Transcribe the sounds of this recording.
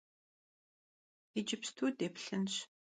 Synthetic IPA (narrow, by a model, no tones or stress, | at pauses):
id͡ʒɪpstʰuːdeːpɬɨnɕ